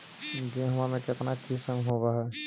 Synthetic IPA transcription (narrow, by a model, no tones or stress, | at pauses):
d͡ʒẽɦɐmamẽket̪nakisəmɦoɡaɦɛ